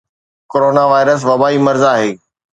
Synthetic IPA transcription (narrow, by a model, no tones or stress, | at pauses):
koɾoːnaʋaːɪɾəs̬ʋɐbaːimɐɾzaːɦeː